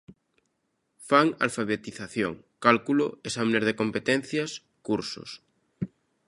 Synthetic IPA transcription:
faŋa̰lfaβ̞et̪iθaθjo̰ŋ | kalkulo̰esamenezð̞ekõmpet̪ẽn̟θjas | kuɾso̰s

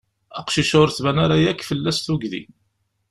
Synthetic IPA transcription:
ɑqʃiʃʊɾθvænaɾajækːfəlːæsθuɡðḭ

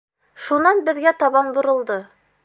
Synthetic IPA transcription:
ʃunɑnbɘ̆ðɡæt̪ɑβɑnbŏɾɤ̆lˠd̪ɤ

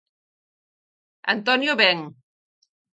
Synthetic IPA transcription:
a̰nt̪ɔnjoβɛŋ

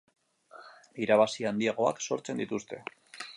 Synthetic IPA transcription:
iɾaβasiand̪iaɣ̞o̞akso̞ɾt͡se̞nd̪it̪ust̪e̞̰

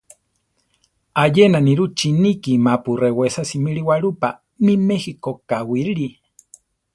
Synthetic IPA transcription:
ajenaniɾut͡ʃinikimapurewesasimiɺiwaɺupa | mimexikokawiɾɾi

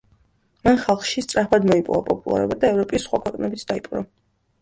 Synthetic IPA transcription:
manχalˠχʃist̪sʼɾaχʰbad̪mɔipʼɔ̰vapʼɔpʼulˠa̰ɾɔ̰bad̪aɛvɾɔpʼisːχwakʰwɛqʼnɛbit̪sʰd̪aipʼɾɔ

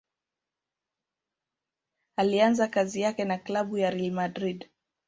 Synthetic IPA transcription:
alianzakazijakɛnaklaɓujaɾɛlmadɾid

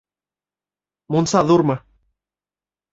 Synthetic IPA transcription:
munsɑðuɾmɤ̆

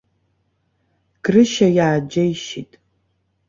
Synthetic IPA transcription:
ɡ̥rɨʃɐjaːd͡ʒɐjʃitʼ

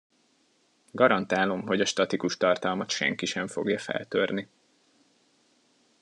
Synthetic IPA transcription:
ɡɒɾɒnt̪aːlo̞mɦo̞ɟɒʃt̪ɒt̪ikuʃt̪ɒrt̪ɒlmɒt̪ʃɛ̰ŋkiʃɛɱfo̞̰ɡjɒfɛ̰lt̪ørni

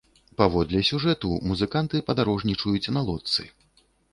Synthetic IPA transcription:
pavɔd̪lʲɛsʲuʐɛt̪umuzɨkant̪ɨpɐd̪aɾɔʐnʲit͡ʂujut͡sʲnɐlˠɔt̪sɨ̰

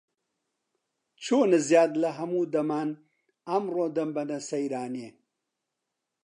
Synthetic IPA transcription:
t͡ʃʰoːnɨzjaːd̪lɐɦɐmuːd̪ɐmaːn | ɐmroːd̪ɐmbɐnɐsɐjɾaːnie

